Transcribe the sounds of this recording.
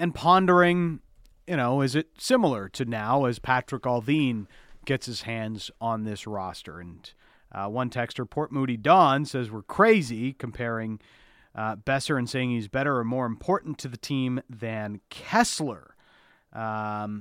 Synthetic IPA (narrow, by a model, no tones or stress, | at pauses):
ɨ̃npʰɑ̃ndə˞ɪ̃ŋ | jɨɾ̃oʊɪzɨt̚sɪ̃ml̩ˠə˞ɾɨnaʊɨz̥pʰæt͡ʃɹ̥ɨkɑlˠvĩnɡ̥ɛtsɨz̥hæ̃ndzn̩ðɪsɹɑstə̰˞ɨ̃n | wʌ̃ntʰɛkstə˞pʰɔɹt̚muɾidɑ̃nsɛzwəɹkʰɹ̥eɪzikʰɨ̃m̩pʰɛɹɪ̃ŋ | b̥ɛsə˞ɨ̃nseɪɪ̃ŋhizbɛɾə˞ə̃nmɔɹɨ̃mpʰɔɹʔn̩tʰɨðɨtʰĩmðɨ̃nkʰɛslˠə̰˞